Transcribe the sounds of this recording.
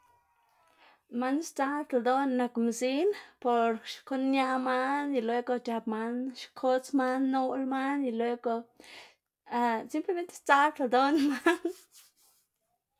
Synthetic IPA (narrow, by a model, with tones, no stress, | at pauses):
ma˦nst͡sa˦t̪a˨d̪o˦nːa˨kmsi˦npo˨ɾʃko˦nːja˧ma˦ni˧lwe˧ɡo˧t͡ʃa˨pma˧nʃkʰo˦t͡sma˦nːu˦lma˦ni˧lwe˧˦ɡo˧ | a˧si˦mple˧me˦nt̪e̥˦st͡sa˦lt̪a˨d̪o˦nma˦n